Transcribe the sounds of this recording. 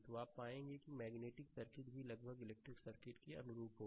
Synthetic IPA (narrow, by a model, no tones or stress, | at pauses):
t̪oaːpːaːẽːŋɡekimɛːɡneːʈɪksɐɾkɪʈbʱilɐɡbʱəɡɪleːk̚ʈɾɪksɐɾkɪʈkiɐ̰nʊɾuːpɦoː